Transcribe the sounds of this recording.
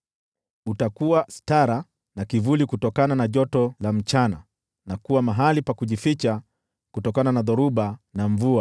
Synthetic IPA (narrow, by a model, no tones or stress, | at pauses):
utakuwastaɾa | nakivulikutɔkananaʄɔtɔlam̩t͡ʃana | nakuwamaɦalipakuʄifit͡ʃa | kutɔkananaðɔɾuɓanaɱvua